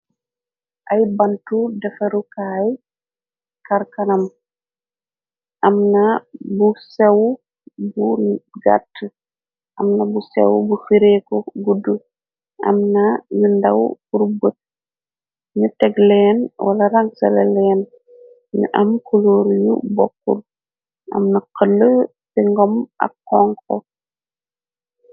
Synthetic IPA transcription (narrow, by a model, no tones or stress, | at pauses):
ʔajbantudɛfaɾukaːj | kaɾkanam | ʔamnabusɛw | buɡa̰tː | ʔamnabusɛ̰wbufiɾɛkɔɡudːu | ʔɐ̰mnajundawkuɾbət̚ | ɲutɛɡlɛːnwalɐɾaŋsɐlɐlɛːn | ɲṵʔɐmkuloːɾjṵbɔkːṵl | ʔɐ̰mnakəlːə | siŋɡɔma̰kːɔŋkɔ̰